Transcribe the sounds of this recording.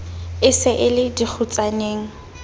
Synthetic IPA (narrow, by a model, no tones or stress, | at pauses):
ɪsɪʔɪlɪdik͡xʰut͡sʼaneːŋ̩